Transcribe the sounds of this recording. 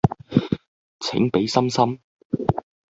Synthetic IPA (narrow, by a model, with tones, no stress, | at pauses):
t͡sʰɪ̰˨˥ŋpe˨˥jsɐ˥msɐ˥m